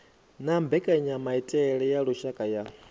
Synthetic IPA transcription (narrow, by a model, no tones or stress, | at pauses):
nambɛkʼaɲamaitʼɛɺɛjaɺuʃakʼaja